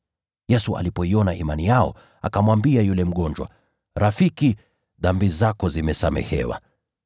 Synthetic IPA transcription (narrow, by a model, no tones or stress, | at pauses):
jɛsuʔa̰lipɔiɔnaʔimanijaɔ | a̰kamwambiajulɛm̩ɠɔnd͡ʒwa̰ | ɾafiki | ðambizakɔzimɛsamɛ̰hɛ̰wa̰